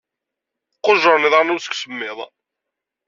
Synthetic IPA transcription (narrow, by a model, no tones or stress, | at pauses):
qːoʒəɾˤniðˤɑɾnʊɾsə̥kʷsəmːɪðˤ